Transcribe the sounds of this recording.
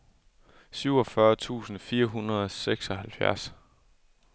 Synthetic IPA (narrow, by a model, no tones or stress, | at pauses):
syʊ̰ɒ̽fɶɐt͡sʰṵːsn̩fiːɐɦunʁɐð̞ˠɒseɡ̥sɒ̽ɦælfjæ̰ɐ̰s